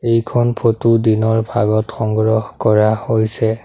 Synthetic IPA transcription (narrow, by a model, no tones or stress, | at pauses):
ejkʰɔnpʰotudinɔɹbʱaɡɔtxɔŋɡɹɔhkɔɹahojsɛ